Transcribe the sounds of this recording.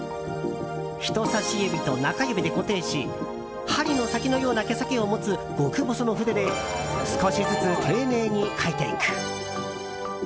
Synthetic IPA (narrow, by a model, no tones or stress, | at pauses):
çi̥t̪o̞saɕiebʲit̪o̞nakajɯbʲid̪e̞ko̞t̪e̞ːɕi | haɾʲino̞sakʲino̞jo̞ːnake̞sakʲeo̞mo̞t͡sɨɡ̥o̞kɯ̟bosono̞ɸɯ̟d̪ed̪e̞sɨ̥ko̞ɕid͡zɨt͡sɨt̪ʰe̞ːne̞ːɲ̟ikʰait̪ḛḭkɯ̥